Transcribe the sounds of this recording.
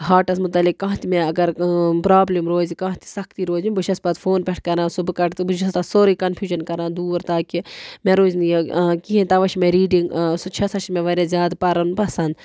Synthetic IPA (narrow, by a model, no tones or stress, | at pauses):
ɦaːʈɐsmʊt̪ɐlikːãɦt̪imẽɐɡɐɾpɾaːblimɾoːzikãːt̪i̥sɐkʰt̪iɾoːzibɨʃɐspɐt̪fʰoːnpʲɛʈʰkɐɾãːsobɨkɐʈʰt̪ɨbɨʃɐst̪ɐsoːɾikɐnfʰjuːʒɐnkɐɾãːd̪uːɾt̪aːkimẽɾoːznijekiɦẽt̪ɐʋɐʃmẽɾiːɖiŋɡsot͡ʃʰɐsɐʃmẽʋɐɾezjaːd̪pɐɾɐnpɐsɐnd̪